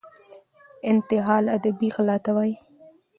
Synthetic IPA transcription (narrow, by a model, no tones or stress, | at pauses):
ɪnt̪ɪɦɑlad̪abiɣlɑt̪awaj